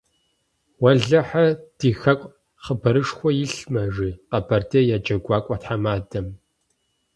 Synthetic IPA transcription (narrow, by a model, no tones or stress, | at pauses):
wɐɮɐħad̥iːxɐkʷʼ | χəbɐɾɨʂxʷɔjɪɬmɐʐiːqapʰartʰejaːd͡ʒʼɐɡʷaːkʷʼɐtħamaːdɐm